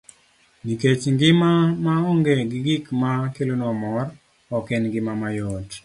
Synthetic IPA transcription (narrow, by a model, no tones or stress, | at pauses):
niket͡ʃŋɡɪmamaɔŋɡeɡɪɡɪkmakelonɔmɔr | ɔkɛnɡɪmamajɔt